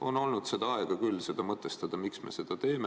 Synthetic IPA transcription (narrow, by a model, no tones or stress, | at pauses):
o̞nolnud̪̥se̞d̪̥ɑɑeɡ̥ɑkylːse̞d̪̥ɑmɤt̪ːˑe̞st̪ɑd̪̥ɑmiksme̞̰se̞d̪̥ɑt̪e̞ːme